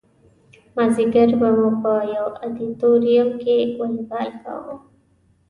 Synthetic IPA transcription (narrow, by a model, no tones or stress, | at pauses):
maziɡəɾbamũpəjawad̪it̪oɾijʊmkewəlibalka̰wo̰